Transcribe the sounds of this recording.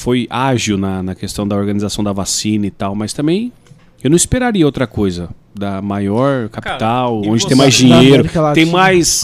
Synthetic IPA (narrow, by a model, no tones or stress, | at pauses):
fojaʒiwnɐnɐkest̪ɐ̃w̃d̪ɐoɾɡɐnizasɐ̃w̃d̪ɐvasĩnɐit̪awmɐst̪ɐ̃mbẽj̃ | ewnɐ̃ispeɾaɾiɐowt̪ɾɐkojzɐd̪ɐmajɔɾkapi̥t̪awwõd͡ʒɪt̪ẽj̃majzd͡ʒĩɲejɾʊt̪ẽj̃majs